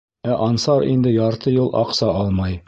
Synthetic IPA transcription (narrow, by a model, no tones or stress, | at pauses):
æʔɒnsɑɾḭnd̪ɘjɒɾt̪ɤjulˠʔɒ̰qsɑɒlˠmɑj